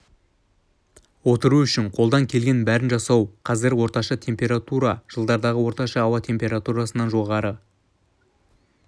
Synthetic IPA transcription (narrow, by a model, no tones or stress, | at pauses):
wo̞t̪əɾuʏʃɪɴqʰolˠd̪ɑŋkʲʰe̞lɡʲe̞nbæɾɪnʒɑsɑwqʰɑzɪɾwo̞ɾt̪ɑʃɑt̪ʰe̞mpʲe̞ɾat̪uɾɑʒ̥əlˠd̪ɑɾd̪ɑʁəwo̞ɾt̪ɑʃɑːwɑt̪ʰe̞mpʲe̞ɾat̪uɾɑsənɑnʒo̞ʁɑɾə